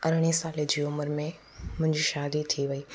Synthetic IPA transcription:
ɐɾɽ̃isaːled͡ʑiːʊməɾmẽ | mʊ̃ɦɪ̃ɲd͡ʑiʃaːd̪it̪ʰiʋɐiː

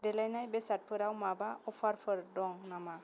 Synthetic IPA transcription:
dɛlajnajbɛsat̚pʰɯɾawmabaɔpʰaɾpʰɯɾdɔŋnama

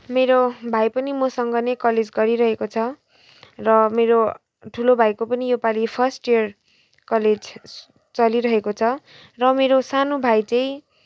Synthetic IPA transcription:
meɾobʱajpʌnimʌsʌŋɡʌnekʌled͡zɡʌɾiɾʌɦekot͡sʰʌ | rʌmeɾo | ʈʰulobʱajkopʌnijopalipʰʌrsʈiʌr | kʌled͡z | t͡sʌliɾʌɦekot͡sʰʌ | rʌmeɾosanobʱajt͡sʌ̃j̃

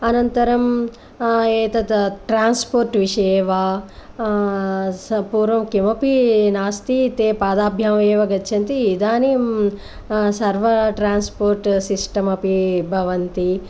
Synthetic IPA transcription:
ɐnɐnt̪ɐɾɐm | eːt̪ɐt̪ʈɾaːnspoːɾʈʋiʂɐeːʋaː | ɐpuːɾʋɐmkimɐpinaːst̪it̪eːpaːd̪aːbʱjaːeːʋɐɡɐtːʃʰɐnt̪iːd̪aːnim | sɐɾʋɐʈɾaːnspoːɾʈsisʈɐmɐpibʱɐʋɐnt̪i

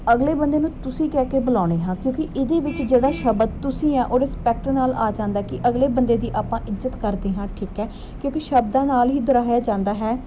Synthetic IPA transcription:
əɡleːbə̃nd̪eːnũːt̪ʊsĩːkɛːkeːbəlaːɽ̃eːɦãːkjõːkɪʔɪd̪eːʋɪt͡ʃd͡ʒeːɽaːʃəbəd̪̚t̪ʊsĩːãːʔoːɾɪspɛːk̚ʈənaːlaːd͡ʒãːnd̪aːkɪʔəɡleːbənd̪eːd̪iːʔaːpãːʔɪzət̪kəɾd̪eːɦãːʈʰiːkɛː | kjõːkiʃəbd̪ãːnaːlɦiːd̪əɾaːjaːd͡ʒãːnd̪aːɦɛː

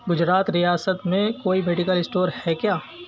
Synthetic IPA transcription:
ɡʊd͡ʒɾaːt̪ɾijaːsət̪mẽkoːibeːʈɪkəlɪsʈoːɾhɛkjaː

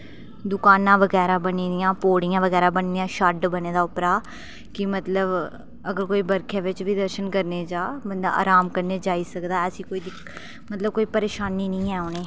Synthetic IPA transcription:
d̪ʊkaːnãːʋəɡɛːɾaːbəniːd̪ɪjãːpoːɽijãːʋəɡɛːɾaːbəɳd̪ɪjãːʃaɖbəneːd̪aːʊpɾaː | kɪmət̪ləb | əɡəɾkoːiːbəɾkʰẽːʋɪt͡ʃʋiːd̪əɾʃənkəɾneːd͡ʒaːbənd̪a̰ːʔa̰ːɾaːmkəɾneːd͡ʒaːiːsəkd̪aːəsĩːkoːiːd̪ɪ | mət̪ləb̚koːiːpəɾeːʃaːniːnĩːɛːoneː

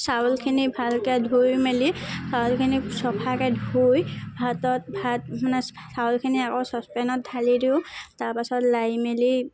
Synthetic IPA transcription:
sawlkʰinibʱalkɛdʱujmelisawlkʰinisɔpʰakɛdʱujbʱatɔt̚bʱat̚manɛ | sawlkʰiniakowsɔspɛnɔt̚dʱalidiʊtaɹpasɔtlajmeli

